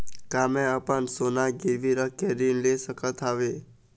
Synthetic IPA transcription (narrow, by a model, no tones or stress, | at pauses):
kamẽəpəɳsonaɡiɾʋiɾəkːeɾinlesəkət̪ʰaʋe